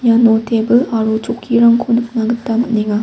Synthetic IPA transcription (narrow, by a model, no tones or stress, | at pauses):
ɲanotebɯaɾut͡ɕokʰiɾaŋkʰonɯk̚naɡɯtt͈amɯɲiɡa